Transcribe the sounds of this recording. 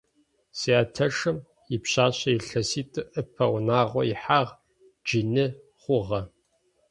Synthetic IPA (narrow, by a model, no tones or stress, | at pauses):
siːaːtʰɐʂɨm | jɪpɕaːɕɐjiɬɐsiːtʰʼɨʔɨpʰɐwnaːʁʷɔjɪħaːʁ | d͡ʒinɨ | χʷʊʁɐ